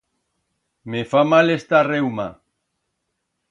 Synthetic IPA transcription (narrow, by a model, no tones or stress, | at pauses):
mefamalest̪arewma